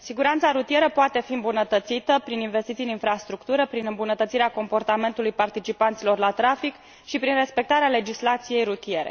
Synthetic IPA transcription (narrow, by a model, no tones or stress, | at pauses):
siɡuɾant̪saɾut̪ije̞ɾəpoat̪e̞fiɨmbunət̪ət̪sit̪əpɾininve̞st̪it̪siɨninfɾast̪ɾukt̪uɾəpɾinɨmbunət̪ət̪siɾeako̞mpo̞rt̪ame̞nt̪ulujpart̪it͡ʃipant̪silo̞rlat̪ɾafik | ʃipɾinre̞spe̞k̚t̪aɾeale̞d͡ʒislat̪sije̞jɾut̪ije̞ɾe̞̰